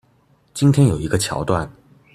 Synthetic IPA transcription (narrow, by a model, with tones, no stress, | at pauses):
t͡ɕi˥nt̪ʰjɛ˥njo˨˩ʊi˧˥ɡə˧t͡ɕʰjɑ̰˧˥ʊt̪wa˥˩n